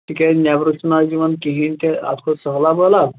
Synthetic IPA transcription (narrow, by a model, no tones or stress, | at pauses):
t̪ikʲɛnʲjaʋɾukt͡ʃnad͡ʑiʋənkiɦint̪ea̰t̪kʰosəɦlabəla